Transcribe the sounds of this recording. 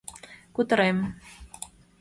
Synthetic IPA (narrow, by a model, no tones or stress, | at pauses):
kut̪ə̆ɾem